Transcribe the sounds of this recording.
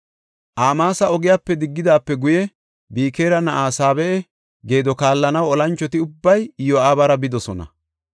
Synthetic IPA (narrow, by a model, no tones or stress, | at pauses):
ʔaːmaːsɐɔɡɪjaːpːɛd̪ɪɡːɪd̪aːpːɛɡʊjɛ | biːkeːɾɐnɐʔaːsaːbɛɛ | ɡe̞ːd̪ɔkaːlːɐnɐwɔlɐnt͡ʃːɔt̪ɪʊbːɐjjɔaːbɐɾɐbɪd̪ɔsɔnɐ̰